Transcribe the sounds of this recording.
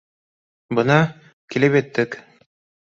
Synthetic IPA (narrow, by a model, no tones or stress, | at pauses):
bɤnɑ | kilɘpjæt̪ːɘk